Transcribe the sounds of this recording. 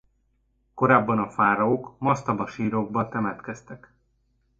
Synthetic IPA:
ko̞ɾaːbːɒnɒfaːɾɒoːkmɒst̪ɒbɒʃiːɾoɡ̚bɒt̪ɛmɛt̪kɛst̪ɛk

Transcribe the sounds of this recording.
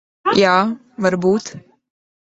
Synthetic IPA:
jaː | vaɾbuːt̪

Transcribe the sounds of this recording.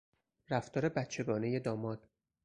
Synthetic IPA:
ɾæft̪ʰɒːɾe̞bæt̪t͡ʃʰe̞ɡɒːne̞je̞d̪ɒːmɒːd̪̥

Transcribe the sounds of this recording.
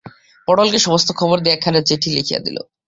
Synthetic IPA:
pɔɽolkeʃɔmost̪ʰokʰɔboɾd̪iakʰːanet͡ɕeʈʰilikʰijḛd̪ḭlʔo̰

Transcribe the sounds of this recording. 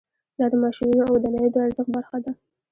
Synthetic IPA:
d̪ɑd̪əmɑʃinunoawd̪anajod̪əaɾzəxbaɾxad̪a

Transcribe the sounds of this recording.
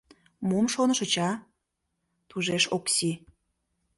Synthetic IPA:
mumʃonəʃə̆t͡ɕɑ | t̪uʒeʃoksi

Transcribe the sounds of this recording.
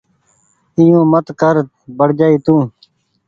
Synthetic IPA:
ijõːmət̪kəɾt̪ | bəɽd͡ʒaːiːt̪ũː

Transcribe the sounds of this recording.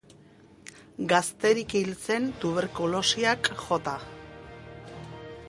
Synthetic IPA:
ɡast̪e̞ɾikilt͡se̞nt̪uβe̞ɾkulo̞siakʝo̞t̪a

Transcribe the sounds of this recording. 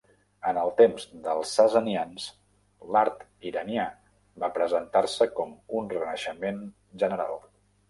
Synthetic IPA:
ənəlˠt̪emzd̪əlˠsːəzənians | laɾt̪ | iɾənia | βapɾəzənt̪aɾsəkɔmunrənəʃəmen | ʒənəɾa̰lˠ

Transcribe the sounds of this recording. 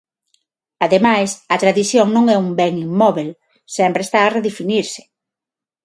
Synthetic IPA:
aðemajsɐt̪ɾaðiθjoŋnõŋɛumbɛŋimːɔβel | sɛmpɾeːst̪aːreðefiniɾsɪ̥

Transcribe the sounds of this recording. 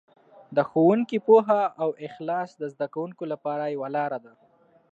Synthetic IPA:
d̪əxowuŋkipoɦaʔawɪxlɑsd̪əzd̪akawuŋkolapɑɾajawalɑɾad̪a

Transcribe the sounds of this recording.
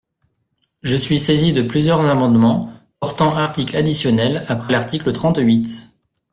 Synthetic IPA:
ʒəsɥisezid̪əplyzjœʁzamɑ̃d̪mɑ̃pɔʁt̪ɑ̃aʁt̪iklad̪isjɔnɛlapχɛlaʁt̪iklət̪χɑ̃t̪ɥit̪

